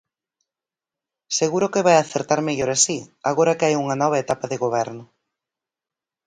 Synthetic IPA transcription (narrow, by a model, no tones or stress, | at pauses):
seɣuɾʊkɪβajaθeɾt̪aɾmeʎoɾasiaɣoɾɐkɪajuŋɐnɔβ̞ɐet̪apaðeɣoβ̞ɛɾnʊ